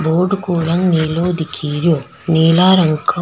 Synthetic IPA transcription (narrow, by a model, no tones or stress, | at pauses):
boːɾɖkoːlɐŋneːloːd̪ikʰiːɾjoː | neːlaːɾɐŋkʰɐ